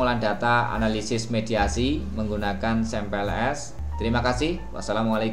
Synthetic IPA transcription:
əlanɖa̤t̪aa̰nalisɪsmed̪̥iasiməŋɡunakansɛmpɛlɛs | t̪əɾimakasɪhwa̰salamwalek

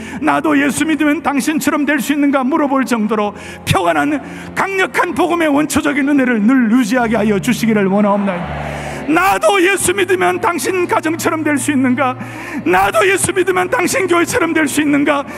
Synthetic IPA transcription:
nadoje̞sʰumidɯmjʌntaŋɕʰint͡ɕʰʌɾʌmdwe̞ɭs͈uinːɯnɡamuɾʌboɭt͡ɕʌŋdoɾo | pʰjʌŋanɦan | kaŋɲʌkʰanpoɡɯme̞wʌnt͡ɕʰʌd͡ʑʌɡinɯne̞ɾɯɭnuɭjud͡ʑiɦaɡeɦajʌd͡ʑuɕʰiɡiɾɯɭwʌnaomnajnadoje̞sʰumidɯmjʌntaŋɕʰinkad͡ʑʌŋt͡ɕʰʌɾʌmdwe̞ɭs͈uinːɯnɡa | nadoje̞sʰumidɯmjʌntaŋɕʰinkjoɦet͡ɕʰʌɾʌmdwe̞ɭs͈uinːɯnɡa

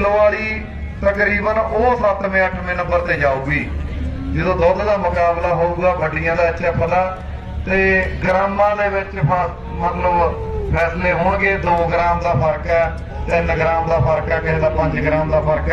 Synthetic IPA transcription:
lʋaːliː | t̪əkɾiːbənoːsət̪mẽːəʈʰmẽːnəmbəɾt̪eːd͡ʒaːuːɡiː | d͡ʒɪd̪õːd̪ɔːd̪d̪aːmʊkaːblaːɦoːuːɡaːbəɖɪjãːd̪aːətːʃʰaːpʰəlaː | t̪eːɡɾaːmãːd̪eːbɪt͡ʃə | mət̪ləb | pʰɛːsleːɦoːɳɡeːd̪oːɡɾaːmd̪aːpʰəɾkɛː | t̪ɪnɡɾaːmd̪aːpʰəɾkɛːkɪeːd̪aːpə̃ɲd͡ʒɡɾaːmd̪aːpʰəɾkː

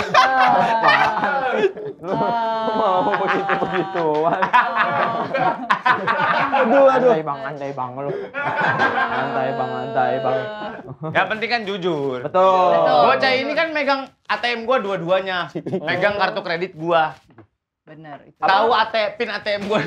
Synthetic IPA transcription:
l | bəɡit̪ubəɡit̪uwa | dudoibaŋant̪aibaŋəlʊ | ant̪aibaŋant̪aibaŋətjapənt̪ɪŋkand͡ʒud͡ʒʊrbət̪ʊɡuat͡ʃajainikanmeɡaŋ | at̪eɛmɡuaduaduaɲameɡaŋkart̪okɾedɪt̪̚ɡua | bənərt̪auat̪epɪnat̪eɛmɡua

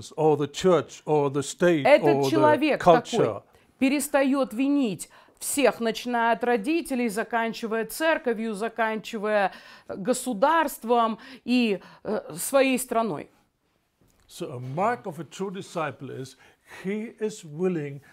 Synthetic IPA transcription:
zə˞ðət͡ʃʰɜ˞t͡ʃə˞ðəsteɪtɛt̪ət̚t͡ɕːɪlˠɐvʲe̞kkʰɐlɐt͡ʃoəj | pʲɪɾʲɪst̪ɐjo̞t̪vʲɪnʲitʲ | fsʲe̞xnət͡ɕɪnajʊt̪rɐdʲitʲɪlʲɪjzɐkanʲt͡ɕɪvəjət̪sɛrkəvʲjʊzɐkanʲt͡ɕɪvəjəɡəsʊd̪arst̪vəmi | svɐjejst̪ɾɐno̞̰j | soʊəmɑɹkəvətʰɹ̥udɪsaɪpl̩ˠɪ̰z̥ | hiɪzwɪlɪ̃ŋ

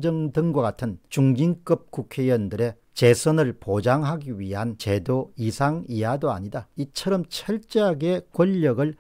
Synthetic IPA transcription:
d͡ʑʌŋdɯŋɡwakatʰɯnt͡ɕuŋd͡ʑink͈ɯp̚k͈ukʰe̞jʌndɯɾe̞ | t͡ɕe̞sʰʌnɯɭpod͡ʑaŋɦaɡiɥiɦant͡ɕe̞doisʰaŋiadoa̰ɲidait͡ɕʰʌɾʌmt͡ɕʰʌɭt͡ɕ͈eɦaɡe̞kwʌʎːʌɡɯɭ

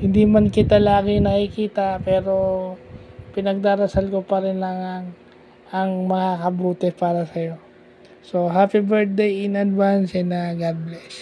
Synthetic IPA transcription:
hɪnd̪imankɪt̪alaːɡɪnɐʔikiːt̪ɐpɛːɾo̞ | pɪnɐɡ̚d̪aːɾɐsalko̞pɐɾɪnlɐŋɐŋ | ɐŋmɐkakɐbuːt̪ɛpaːɾɐsɐjo̞ | so̞ɦapibɛɹt̪̚d̪ejɪnɐd̪wansɛnɐɡad̪̚blɛs

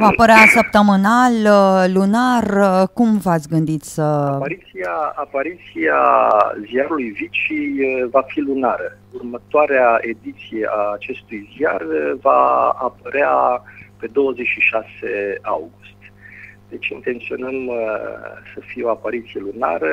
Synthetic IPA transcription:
vapəɾeasəp̚t̪əmənalːunarkumvat̪sʲɡɨnd̪it̪sʲsəapaɾit̪siaapaɾit̪sia̰ziaɾulujvit͡ʃivafilunaɾə | urmət̪oaɾeae̞d̪it̪sijeʔaːt͡ʃe̞st̪ujziarvaːpəɾeape̞d̪o̞wəze̞t͡ʃʃiʃasea̰wɡust̪d̪̥e̞t͡ʃint̪e̞nt̪sio̞nəm | səfieo̞apaɾit̪sije̞luna̰ɾə

